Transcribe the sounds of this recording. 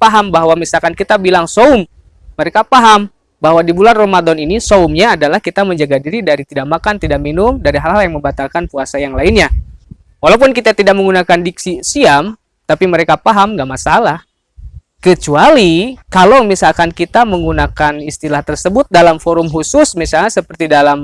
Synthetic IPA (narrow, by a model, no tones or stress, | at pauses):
paɦambaɦwamisalkankit̪abilaŋsoʊmː | əɾekapaɦam | baɦwadibulanromadɔninisoumɲaːdalahkit̪aməɲd͡ʒaɡadiɾidaɾit̪idak̚makant̪idaʔ̚minʊmdaɾiɦalɦaljaŋməmbat̪alkanpuasajaŋlainɲa | walapʊnkit̪at̪idak̚məŋɡunakandiksisiam | t̪apiməɾekapaɦamŋɡaʔmasalah | kət͡ʃualikalomisalkankit̪aməŋɡunakanist̪ilaht̪ərsəbʊt̪̚dalamfoɾʊmɦusʊsmisalɲasəpərt̪idalam